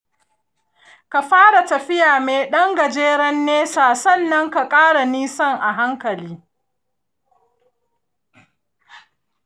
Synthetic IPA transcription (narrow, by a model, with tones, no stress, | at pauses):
ka˨ɸaː˦ɽa˨tɐ˨ɸɪ˦jaː˨meː˨ɗɐ˦ŋɡɐ˨d͡ʒeː˦ɽɐ˦nːeː˦saː˨sɐ˦˨nːɐ˦ŋka˨kʼaː˦ɽa˨niː˦sɐ˦˨ŋʔa˨ɦa˦ŋkɐ˨liː˦